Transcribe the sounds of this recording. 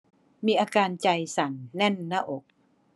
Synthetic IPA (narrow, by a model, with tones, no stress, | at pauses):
miː˧ʔaː˧kaː˧nt͡ɕa˧jsa˨˩˦nnɛ˥˩nːa˧˩ʔo˨˩k̚